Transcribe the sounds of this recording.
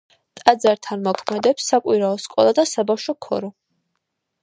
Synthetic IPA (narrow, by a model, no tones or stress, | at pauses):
t̪ʼad̪zaɾt̪ʰanmɔkʰmɛd̪ɛpsːakʼwiɾaɔskʼɔ̰lˠad̪asabafʃɔkʰɔ̰ɾɔ